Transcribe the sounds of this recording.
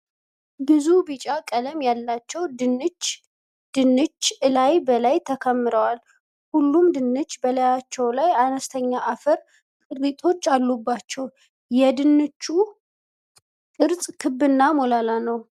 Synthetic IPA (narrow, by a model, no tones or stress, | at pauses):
bɨzubɨt͡ʃʼakʼələmjalːat͡ʃːɛwd̪ɨnɨt͡ʃ | d̪̥ɨnːɨt͡ʃːɨlajbəlajt̪ʰəkʰəmːɨɾəwal | hulːumd̪ɨnːɨt͡ʃːbəlajat͡ʃːɛwlajanəst̪ʰəɲːaʔafəɾ | kʼɨɾit̪ʼʰo̞t͡ʃːalːubːat͡ʃːɛw | jɛd̪ɨnːɨt͡ʃːu | kʼɨɾt͡sʼkʰɨbːɨnːamolalanəw